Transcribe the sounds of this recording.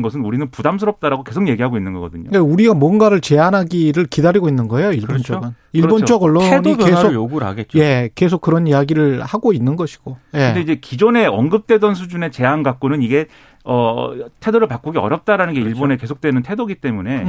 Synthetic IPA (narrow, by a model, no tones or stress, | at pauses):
nɡʌsʰɯnuɾinɯnpudams̬ʰɯɾʌp̚t͈aɾaɡoke̞sʰoŋje̞ɡiɦaɡoinːɯnɡʌɡʌdɯɲo̰kauɾiɡamwʌnɡaɾɯɭt͡ɕe̞anɦaɡiɾɯɭkidaɾiɡoinːɯnɡʌe̞joiɭbont͡ɕ͈ʌɡɯn | iɭbont͡ɕ͈ʌɡʌɭːoeniesʰojoɡuɾa̰ɡet̚t͡ɕ͈je̞ke̞s̬ʰok͈ːɯɾʌniaɡiɾɯɭhaɡoinːɯnɡʌɕʰi̥ɡ̥ojeɯ̞nde̞id͡ʑe̞kid͡ʑone̞ʌŋɡɯp̚t͈we̞dʌns̬ʰud͡ʑune̞t͡ɕe̞anɡak͈onɯniɡe̞ | ʌtʰe̞doɾɯɭpak͈uɡiʌ̰ɾjʌp̚t͈aɾanɯnɡe̞iɭbone̞ke̞sʰok̚t͈wenɯntʰe̞doɡit͈e̞mune̞